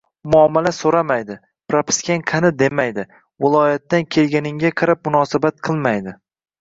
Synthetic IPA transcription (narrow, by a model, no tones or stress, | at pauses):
mʊamːalasoɾamajd̪ɪ | pɾapʰɪ̥skʲanqʰɑnɪd̪e̞majd̪ɪ | vɪlˠɒjat̪ːankʲʰe̞lɡʲanɪŋɡʲaqʰɑɾap̚mʊnɒsabat̪̚qʰɨlˠmajd̪ɪ